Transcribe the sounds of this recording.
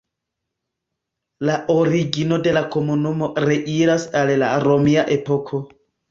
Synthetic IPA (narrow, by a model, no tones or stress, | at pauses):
laʔo̞ɾiɡino̞de̞lako̞munumo̞ɾe̞ʔiɾasallaɾo̞miaʔe̞po̞kʰo̞